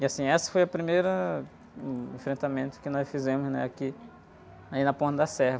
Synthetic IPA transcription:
iasĩɛsɐ̥fojɐpɾimejɾɐ | ẽfɾẽnt̪amẽnt̪ʊ̥kɪnɔsfizẽmʊznɛ̰aki | ainɐpõnt̪ɐd̪ɐsɛhɐ

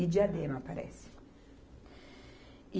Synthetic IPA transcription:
id͡ʒad̪emapːaɾɛ̰si̥ | i

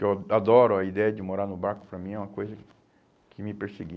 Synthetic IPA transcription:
ewad̪ɔɾʊɐid̪ɛjɐd͡ʒɪmoɾaɾnʊbaɾkʊ̥pɾɐmĩɛũmɐkojzɐ | kʰɪmɪpeɾseɡi

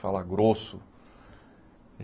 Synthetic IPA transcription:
falaɡɾosʊ

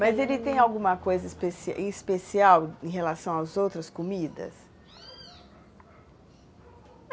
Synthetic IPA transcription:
mɐzelɪt̪ẽj̃awɡũmɐkojzɐispesiẽspesiawẽj̃ɦelasɐ̃w̃awzowt̪ɾɐskomid̪ɐ̰s

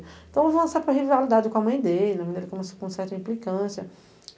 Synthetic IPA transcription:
t̪ɐ̃w̃avɐ̃sapɾɐɦivalid̪ad͡ʒɪkõɐmɐ̃j̃d̪elɪɐmɐ̃j̃d̪elɪkõmesokõsɛɾt̪ɐĩmplikɐ̃sjɐ

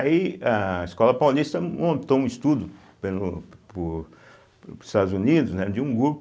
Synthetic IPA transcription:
iaɐiskɔlɐpawlist̪ɐmõnt̪oũist̪ud̪ʊ | pelʊpʊɾ | i̥st̪ad̪ʊzunid̪ʊznɛd͡ʒɪũɡɾup

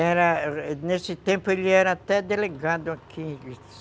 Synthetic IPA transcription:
eɾanesit̪ẽmpolʲeɾat̪ɛd̪eleɡad̪oakʰili

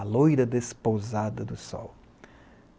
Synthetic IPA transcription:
lojɾɐd̪espozad̪ɐd̪ʊsɔ̰w

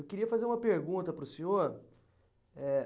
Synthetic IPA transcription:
wkiɾiɐfazeɾũmɐpeɾɡũnt̪ɐpɾʊsẽɲoɾ | ɛ

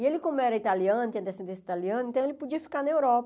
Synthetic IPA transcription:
ielɪkõmʊɛɾɐit̪aliɐ̃nɐt̪ĩɲɐd̪esẽnd̪ẽsi̥t̪aliɐ̃nʊẽt̪ɐ̃w̃elɪpod͡ʒiɐfi̥kanɐewɾɔpɐ

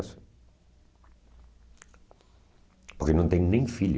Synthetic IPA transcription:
s | poɾkenõnt̪eɲnẽŋfiʎ

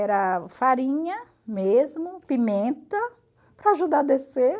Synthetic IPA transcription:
ɛɾɐfaɾĩɲɐ | mezmʊpimẽnt̪ɐ | pɾɐaʒud̪ad̪ese

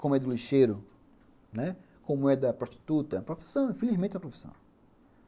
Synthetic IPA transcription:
kõmʊɛd̪ʊliʃejɾʊ | nɛ | kõmʊɛd̪ɐpɾoʃt̪i̥t̪ut̪ɐɐ̃pɾofi̥sɐ̃w̃ĩfelizmẽt̪ɛ̃ɐpɾofi̥sɐ̰̃w̃

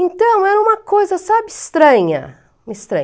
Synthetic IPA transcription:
ẽnt̪ɐ̃w̃ɛɾɐũmɐkojzɐsabɪst̪ɾɐ̃ɲɐ̰ | mist̪ɾɐ̃

